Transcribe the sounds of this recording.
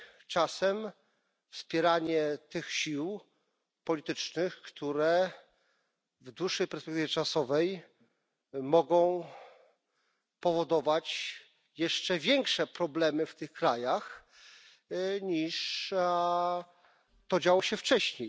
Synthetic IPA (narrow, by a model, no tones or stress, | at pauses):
t͡ʂasɛm | fspʲjɛɾaɲɛt̪ɘxɕiw | pɔlʲit̪ɘt͡ʂnɘxkt̪ʰuɾɛ | vd̪wuʂːɛjpɛɾspɛkt̪ɘvʲjɛt͡ʂasɔvɛj | mɔɡɔ̃w̃ | pɔvɔd̪ɔvat͡ɕ | jɛʂt͡ʂɛvʲjɛŋkʂɛpɾɔblɛmɘft̪ɘxkɾajax | ɲiʂ | t̪ɔd͡ʑawɔɕɛft͡ʂɛɕɲej